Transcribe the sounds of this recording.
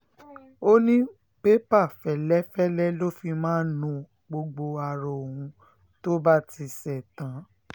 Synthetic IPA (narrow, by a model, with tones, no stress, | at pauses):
o˦nĩ˦ | pe˦pa˦˨fɛ˨lɛ˦fɛ˦lɛ˦lo˦fi˧mãː˦nũ˧˦ | ɡ͡bo˧ɡ͡bo˧a˨ɾɔ˨o˨hũ˧ | to˦ba˦ti˧sɛ˨tã˨˦